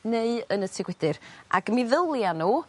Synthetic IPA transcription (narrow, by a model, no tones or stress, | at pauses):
neɨənətʰɪɡwɛdɪɾa̰ɡəmɪðəlˠjanuː